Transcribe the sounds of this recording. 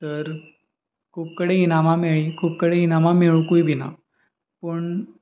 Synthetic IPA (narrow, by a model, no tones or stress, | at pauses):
t̪əɾ | kʰuːpkəɽeinamameɭikʰuːp̚kəɽeinamameɭkujbʱina̰ | pəɳ